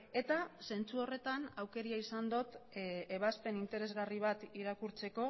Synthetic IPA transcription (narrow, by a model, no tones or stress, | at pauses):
e̞t̪ase̞nt͡suo̞re̞t̪anawke̞ɾiaisand̪ot̪eβ̞aspe̞nint̪e̞ɾe̞zɣariβ̞at̪iɾakuɾt͡se̞ko̞